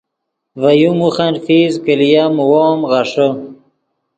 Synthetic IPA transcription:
vajumuxanfizkəlijamwoːmʁaʂo

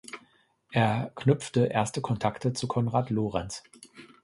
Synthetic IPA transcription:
ʔeːɐknʏpp͡ftəʔeːɐstəkʰɔntʰaktət͡sukʰɔnʁaːtloːʁɛns

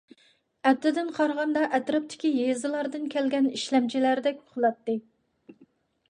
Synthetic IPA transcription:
ɛp̚t̪ʰːɪd̪ɪnqʰɑɾʁɑnd̪ɑʔɛt̪ɾɨp̚t̪ʰɪ̥kʲijezɨlˠɑɾd̪ɨnkʲɛlɡʲɛniʃlɛmt͡ʃʰilæɾd̪ɛkʲo̥χlˠɑt̪ːɨ

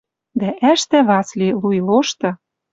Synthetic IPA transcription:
d̪æʔæʃt̪æβɑslʲilujloʃt̪ɤ̆

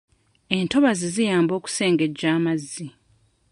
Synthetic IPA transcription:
e̞nto̞βazizijaːmbo̞ːku̥se̞ːŋɡe̞ɟːaːmazːi

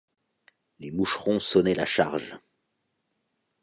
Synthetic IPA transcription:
lemuʃʁɔ̃sɔnɛlaʃa̰ʁʒ

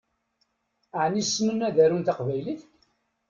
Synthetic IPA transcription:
ʕnisːmənːæðæɾunt̪aqvæjliθək

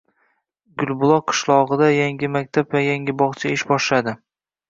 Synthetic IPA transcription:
ɡʊlˠbʊlˠɒqʰɨ̥ʃlˠɒʁɨd̪ajaŋɡʲɪmak̚ʲt̪ʰapvajaŋʲɪbɒχt͡ʃʰaɪʃbɒʃlad̪ɪ

